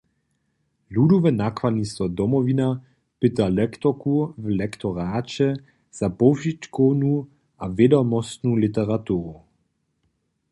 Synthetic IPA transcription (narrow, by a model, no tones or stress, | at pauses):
ludɔvɛnakvad̪nist̪ɔd̪ɔmɔvina | pɪt̪alɛkt̪ɔkuvlɛkt̪ɔʁaːt͡ʃɛ | z̥apɔʒitkɔwnu | ʔavjɛdɔmɔst̪nulit̪ɛʁat̪uːʁu